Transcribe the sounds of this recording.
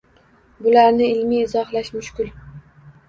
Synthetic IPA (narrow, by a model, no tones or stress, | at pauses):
bʊlaɾnɪɪlmiːzɒhlaʃmʊʃkʲʊl